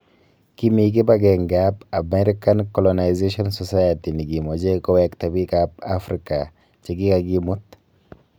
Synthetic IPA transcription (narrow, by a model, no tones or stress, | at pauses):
kimiɡ̬ibɐɡeŋɡabɐmɛɾɪkɐnkɔlɔnajzeʃɔnsɔsajɐt̪iniɡimɔd͡ʒekɔwekt̪ɐbikabafɾɪka | t͡ʃɛɡikaɡimʊt̪ː